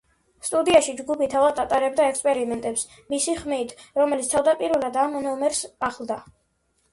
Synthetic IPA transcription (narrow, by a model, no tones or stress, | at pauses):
st̪ʼud̪iaʃid͡ʒɡupit̪ʰavad̪at̪ʼaɾɛb̚d̪aɛkspʼɛɾimɛnt̪ʼɛps | misiχmit̪ʰɾɔmɛlit̪st̪ʰavd̪apʼiɾvɛlad̪amnɔmɛɾsaχlˠd̪a